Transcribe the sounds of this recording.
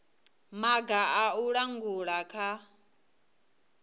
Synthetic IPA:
maɡaauɺaŋɡuɺakʰa

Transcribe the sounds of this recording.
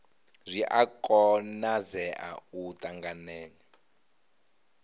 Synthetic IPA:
zʷiʔakʼɔnazɛʔa̰ut̪ʼaŋɡanɛːnɛ

